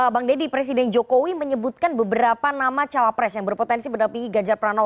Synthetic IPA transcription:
əbaŋdedipɾes̬idɛnd͡ʒokowiməɲəbut̪̚kanbəbəɾapanamat͡ʃalapɾɛsjaŋbərpot̪ɛnsipədampiŋɡiɡad͡ʒarpɾano

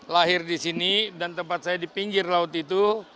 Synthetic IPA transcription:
laɦɪrdisinidant̪əmpat̪̚sajadipiŋɡɪrlaʊt̪it̪u

